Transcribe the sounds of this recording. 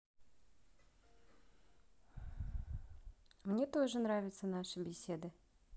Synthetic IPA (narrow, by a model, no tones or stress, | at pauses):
mnʲet̪o̞ʐɨnɾavʲɪt̪sənaʂɨbʲɪsʲed̪ɨ